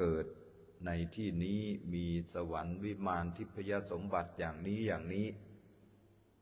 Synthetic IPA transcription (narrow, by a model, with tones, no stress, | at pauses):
kɤː˨˩t̪̚ | na˧jt̪ʰiː˥˩niː˦˥miː˧sa˧wa˩˦nwi˦˥maː˧nt̪ʰi˦˥pʰːa˧ja˧so˩˦mba˨˩t̪̚jaː˨˩ŋniː˦˥jaː˨˩ŋniː˦˥